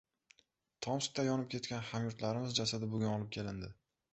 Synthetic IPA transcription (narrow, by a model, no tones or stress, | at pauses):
t̪ʰɒmʃɪ̥k̚ʲt̪ajɒnɪp̚kʰʲe̞t̪kʲanhamjʊɾt̪laɾɪmɪzd͡ʒasad̪ɪbʊɡʲʊnɒlˠɪp̚kʲʰelɪnd̪ɪ